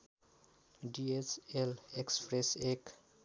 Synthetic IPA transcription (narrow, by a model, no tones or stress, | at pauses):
ɖiet͡ʃelekspɾesek